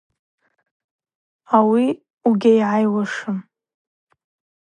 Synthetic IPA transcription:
awi | uɡʲajʕajwaʂɨm

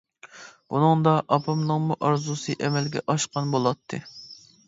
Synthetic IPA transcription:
b̥unɨŋd̪ɑʔɑpʰɑmnɨŋmuʔɑɾzusɨʔɛmɛlɡʲɛʔɑʃqɑnbolˠɑt̪ʰːɨ

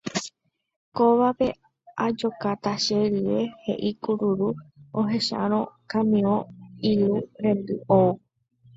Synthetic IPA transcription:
koʋape̞ | ad͡ʒo̞kat̪aʃeɾɨɾe̞he̞̰ʔikuɾuɾuoɦe̞ʃa̰ɾ̃õ̞kãmĩõiɾuɾẽ̞nd̪ɨou

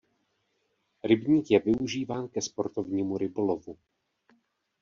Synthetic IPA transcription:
ɾɪbɲiːkjɛvɪuʒiːvaːnkɛspo̞ɾt̪o̞vɲiːmuɾɪbo̞lovu

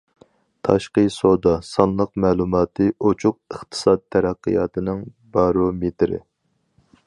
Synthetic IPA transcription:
t̪ʰɑʃqəsod̪ɑsɑnlˠəq̚mɛːlˠumɑːt̪ʰɨʔot͡ʃʰʊq̚əχt̪ʰɨ̥sɑd̪̚t̪ʰːɛɾæqːḭjɑ̰ːt̪ʰɨnɨŋ | bɑɾomet̪ʰɾɪ̰

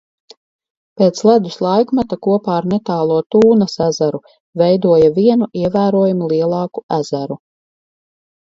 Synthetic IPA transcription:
peːt̪slˠad̪uslˠajkmat̪akuɔpaːɾnet̪aːlˠuɔt̪uːnɐsæzaɾu | vɛjd̪uɔjaviɛnuiɛvæːɾuɔjumulˠiɛlˠɑːkuæzæɾu

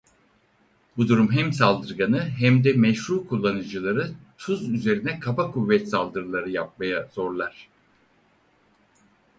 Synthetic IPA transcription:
bud̪uɾumɦɛmsalˠd̪ɯɾɡanɯɦɛmd̪ɛmɛʃɾuːkʰulˠːanɯd͡ʒɯlˠaɾɯt̪ʰuzyze̞ɾinɛkʰabakʰuvːɛt̪salˠd̪ɯɾɯlˠaɾɯjap̚majaz̥o̞ɾlˠaɾ̥

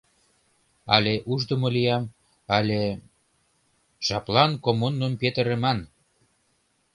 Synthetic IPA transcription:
ɑlʲeʔuʒd̪əmolijɑm | ɑlʲe | ʒ̥ɑplɑnkomunːompet̪əɾemɑn

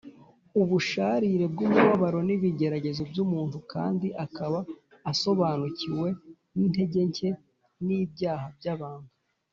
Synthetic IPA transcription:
uβuʃaːɾiɾe̞b̚ɡumuβaβaɾo̞niβiɟe̞ɾaɟe̞zobjumuːntuka̰ːndiʔakaβaː | so̞βaːnuciwe̞ | nin̥e̞ɟe̞ɲce̞ | nibɟaːhabjaβaːŋɡa

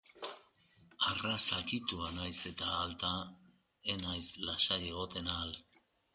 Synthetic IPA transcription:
arasakit̪uanajse̞t̪aːlt̪a | enajslasajje̞ɣ̞o̞t̪e̞nal

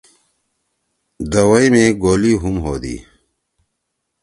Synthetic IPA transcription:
d̪ɐwɐimeɡoːliɦumɦoːd̪ḭː

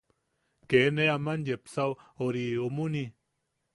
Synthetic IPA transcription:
keneamanjepsawoɾiumuni

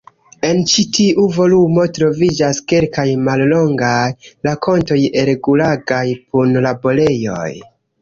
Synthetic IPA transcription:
e̞nt͡ʃitiʔuvo̞lumo̞tɾo̞vid͡ʒaske̞lkajmallo̞ŋɡajlako̞nto̞jeɾeɡulaɡajpunlabo̞le̞jo̞̰j

